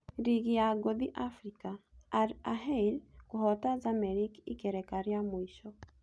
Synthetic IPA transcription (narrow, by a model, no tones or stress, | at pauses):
ɾiɡijaɡod̪iʔafɾika | aɦɛilkuɦɔtazamɛɾikikɛɾɛkaɾiamwiʃɔ